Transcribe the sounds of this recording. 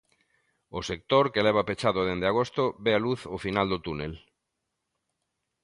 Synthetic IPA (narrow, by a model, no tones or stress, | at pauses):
osek̚t̪oɾkelɛβ̞apet͡ʃaðoðend̪eaɣ̞ost̪oβealuθofinald̪ot̪unel